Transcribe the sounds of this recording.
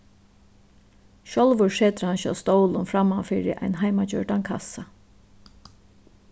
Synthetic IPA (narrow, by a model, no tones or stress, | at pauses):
ʃɔlʋʊɹʂɛːt̪ɾhanɕɔ̰wst̪owlʊnfɾamːafɪːɾɪ̰ʔa̰jnɦajmat͡ɕœ̰ɹt̪ankʰa̰sa